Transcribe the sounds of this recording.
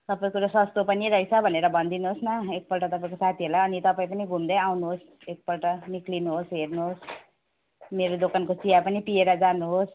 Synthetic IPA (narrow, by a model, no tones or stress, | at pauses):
t̪ʌpaĩkuɾasʌst̪opʌniɾʌit͡sʰʌbʱʌneɾʌbʱʌnd̪inuɦosnʌek̚pʌlʈʌt̪ʌpaĩkosat̪ʰiɦolaʌnit̪ʌpaĩp̬ʌniɡʱumd̪ʌjawnuɦos | ek̚pʌlʈʌniklinuɦosɦernuɦos | meɾod̪okankot͡sijapʌnipieɾʌd͡zanuɦos